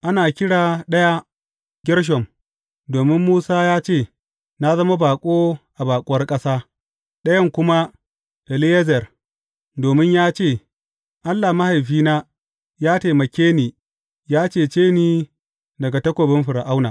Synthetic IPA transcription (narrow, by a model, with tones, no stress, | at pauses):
ʔa˦naː˨kʲɪ˦ɽaː˨ɗɐ˦ja˦ | ɡʲɪ˦ɽʃ̬ɔ˨m | doː˨mɪ˦mːuː˦saː˦jaː˦t͡ʃeː˦˨ | na˦zɐ˦ma˦baː˨kʷʼoː˦ʔa˨baː˨kʷʼʊ˦wɐ˦rkʼɐ˦saː˦ | ɗɐ˦jɐ˦ŋkʷʊ˦ma˦ | ʔɛ˨lɪ˦jɛ˦zɛ˨r | doː˨mɪ˦ɲjaː˦t͡ʃeː˦˨ | ʔa˦lːa˨ma˦ha˨jɸiː˦naː˦ | jaː˦teː˨mɐ˨kʲeː˦niː˨ | jaː˦t͡ʃeː˦˨t͡ʃeː˦niː˦ | dɐ˨ɡa˨tɐ˦kʷoː˨bɪ˦mɸɪ˨ɾa˨ʔa˦wnaː˨